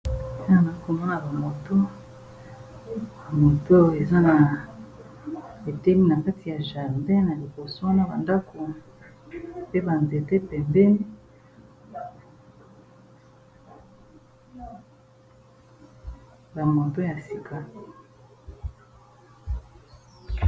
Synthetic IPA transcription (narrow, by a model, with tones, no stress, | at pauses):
e˦na˨na˨i˦ko˨mɔ˦na˨ba˨mo˨to˦ | ba˨mo˨to˦e˨za˦na˨ | e˨te˦mi˦na˨ka˦ti˨ja˨ʒa˨mbe˦na˨li˨bo˨so˦wa˦na˦ba˨nda˦ko˨ | pe˦ba˨nze˨te˦pɛ˨mbe˦ | ba˨mo˨to˦ja˨si˨ka˨